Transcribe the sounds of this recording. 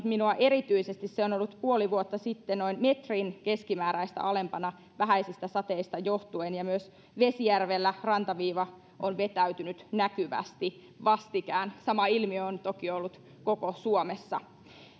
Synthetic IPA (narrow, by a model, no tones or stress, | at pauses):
t̪minuɑʔe̞ɾit̪yisest̪isseonolːut̪puoliʋuot̪ːɑsit̪ːenoinmet̪rinke̞skimæːɾæist̪æ̰ʔɑlempɑnɑ | ʋæɦæisist̪æsɑt̪eist̪ɑjoht̪uenjɑmyøs | ʋesijærʋelːærɑnt̪ɑʋiːʋɑ | ʔonʋe̞t̪æyt̪ynyt̪nækyʋæ̰st̪i | ʋɑst̪ikæːnsɑmɑilmiøont̪okiolːut̪ | kokosuomesːɑ